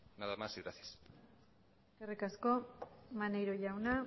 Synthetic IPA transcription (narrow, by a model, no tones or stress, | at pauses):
naðamasiɣɾaθis | skerikasko̞manejɾoʝawna